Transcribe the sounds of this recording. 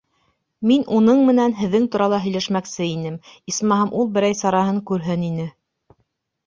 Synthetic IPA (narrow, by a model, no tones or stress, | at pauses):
minʔunɤɴmɘ̆nænɦɘ̆ðːɘŋt̪uɾɑlˠɑɦɵ̆jlæʃmæksɘinɘmismɑɦɤmʔulˠbɘ̆ɾæjsɑɾɑɦɤŋkʉɾɦɘninɘ